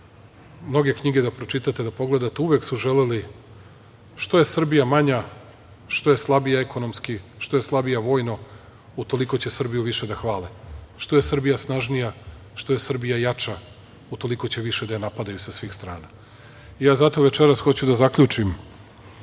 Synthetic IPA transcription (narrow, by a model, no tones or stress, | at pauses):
mno̞ɡe̞kɲiɡed̪apɾo̞t͡ʃit̪at̪ed̪apo̞ɡle̞d̪at̪euʋe̞ksuʒeleli | ʃt̪o̞je̞sr̩bijamaɲa | ʃt̪o̞je̞slˠabijaeko̞nomskiʃt̪o̞je̞slˠabijaʋo̞ːjno | ut̪o̞liko̞t͡ɕe̞sr̩bijuʋiʃe̞d̪axʋaːleʃt̪o̞jesr̩bijasnaʒnija | ʃt̪oje̞sr̩bijajat͡ʃa | ut̪o̞liko̞t͡ɕe̞ʋiʃe̞d̪ajenapad̪ajusasʋiːxst̪ɾaːna | ijaːzat̪o̞ʋe̞t͡ʃeɾasxo̞t͡ɕud̪azakʎut͡ʂim